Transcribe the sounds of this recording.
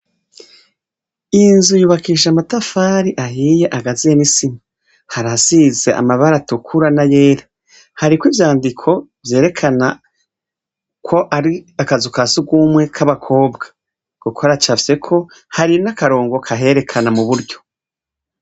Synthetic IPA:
inzujuːβakiʃ̬amatafaːɾiʔaɦiːje̞ʔaɡazienisima | haɾasize̞ʔa̰maβaɾatukʰuɾanaje̞ːɾa | haɾikwivjaːndikʰo̞vje̞ːɾe̞kʰana | kʰo̞ʔaɾiakazukasuɡumwe̞kʰaβakʰo̞ːbɡḁ | ɡ̥ukʰoɾat͡ʃafe̞kʰo̞ | haɾinakaɾo̞ːŋɡo̞kʰaɦe̞ɾe̞kʰanamuβuɾɟo̞

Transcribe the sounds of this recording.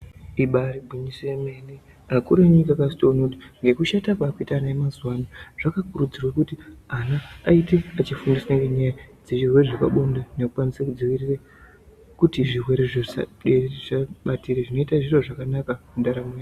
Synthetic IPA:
iɓaɾibʱuɲiseme̞ne | akuɾeɲikakasi̥tonoti̥ŋɡe̞kuʃatakaːkuitaːnaemazwanaʐ̥akakurud͡zirwakutianaːite̞at͡ʃifundisneŋɡeɲaaid͡zeʐirwe̞reʐaka̰ɓondane̞kukwanisekud͡ziʋirire | kutiʐirwe̞ɾeʐea̰ɗereʐaɓatireʐino̞itaʐiro̞ʐakanakamundaɾame

